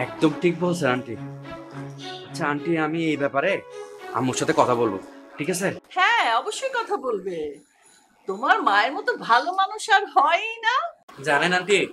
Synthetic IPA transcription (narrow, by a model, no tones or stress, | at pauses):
ɛk̚d̪omʈʰik̚bolsʰeɾaɳʈi | at͡ɕʰaaɳʈiamiejbɛpaɾea̰moɾʃat̪ʰekɔt̪ʰabolbo̰ʈʰikasʰehɛ̃ɔboʃːojkɔt̪ʰabolbe | t̪omaɾmaeɾmɔt̪obʱalomanuʃaɾɦɔenad͡ʑanenanʈi